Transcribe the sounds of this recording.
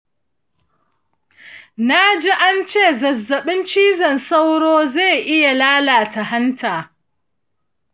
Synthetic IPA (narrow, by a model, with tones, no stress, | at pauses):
na˦d͡ʒi˦ʔa˦nt͡ʃeː˦˨zɐ˨zːɐ˨ɓɪ˦nt͡ʃiː˦zɐ˨nsa˦wɽoː˦ze˦˨jʔɪ˦ja˨laː˦laː˨ta˨ɦa˦ntʰaː˨